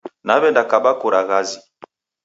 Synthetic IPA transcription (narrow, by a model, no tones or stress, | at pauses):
nabɛndakabakoɾaɣazi